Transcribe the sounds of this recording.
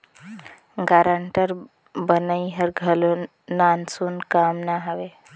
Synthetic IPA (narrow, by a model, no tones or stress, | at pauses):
ɡaːɾəɳʈəɾ | bənəiɦəɾɡʱɐlo | naːnsuːnkaːmnaɦəʋe